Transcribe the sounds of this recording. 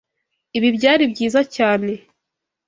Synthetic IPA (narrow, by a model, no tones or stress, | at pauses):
iβibɟaːɾibɟiːzacaːne̞